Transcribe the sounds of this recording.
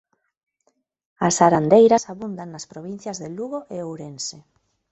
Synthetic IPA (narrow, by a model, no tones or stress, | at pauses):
asaɾand̪ejɾɐsaβund̪aŋnɐspɾoβin̟θjɐzðeluɣoʔeowɾense